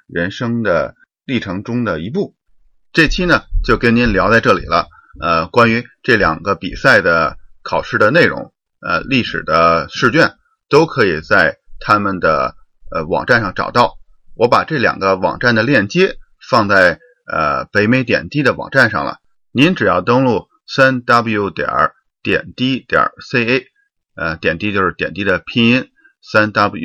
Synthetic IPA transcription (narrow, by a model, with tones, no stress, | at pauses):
ɻə˧˥nʂɤ˥ŋd̪ə˨ | li˥˩ʈ͡ʂʰɤ˧˥ŋʈ͡ʂʊ˥ŋd̪ə˨˩i˧˥p̬u˥˩ | ʈ͡ʂɤ˥˩t͡ɕʰi˥nə˨t͡ɕjo˥˩ʊkə˥nni˧˥nljɑ˧˥ʊt͡sa˥˧ɪʈ͡ʂɤ˥˩lḭ˨˩lə̰˦ | ə˧kwa˥ny˧˥ʈ͡ʂɤ˥˩ljɑ̰˨˩ŋɡə˦pḭ˨˩sa˥˩ɪd̪ə˩kʰɑ˨˩ʊʂɻ̩˥˩d̪ə˩ne˥˩ɪɻʊ̰˧˥ŋ | ə˧li˥˩ʂɻ̩˨˩d̪ə˦ʂɻ̩˥˧t͡ɕɥɛ˥˩n | t̪o˥ʊkʰɤ˧˥i˨˩t͡sa˥˩ɪt̪ʰa˥mə˨nd̪ə̰˩ | ə˧wɑ̰˨˩ŋʈ͡ʂa˥˧nʂɑ˥˩ŋʈ͡ʂɑ̰˨˩ʊt̪ɑ˥˩ʊ | wɔ˧˥pa˨˩ʈ͡ʂɤ˥˩ljɑ̰˨˩ŋɡə˦wɑ̰˨˩ŋʈ͡ʂa˥˩nd̪ə˩ljɛ˥˩nt͡ɕjɛ˥ | fɑ˥˧ŋt͡sa˥˩ɪ | ə̰˧˩pe˧˥ɪme˧˥ɪt̪̬jɛ̰˨˩nt̪i˥d̪ə˨wɑ̰˨˩ŋʈ͡ʂa˥˧nʂɑ̰˥˩ŋlə̰˩ | ni˧˥nʈ͡ʂɻ̩˨˩jɑ˥˩ʊt̪ɤ˥ŋlu˥˩ | sa˥nt̪a˥bl̩˧ju˥ʊt̪jɑ̰˨˧˩ | t̪jɛ̰˨˩nt̪i˥t̪jɑ̰˞˨˩se˥˩ɪe˥ɪ | ə˧t̪jɛ˨˩nt̪i˥t͡ɕjo˥˧ʊʂɻ̩˥˩t̪jɛ̰˨˩nt̪i˥d̪ə˨pʰi˥ŋi˥n | sa˥nt̪a˥b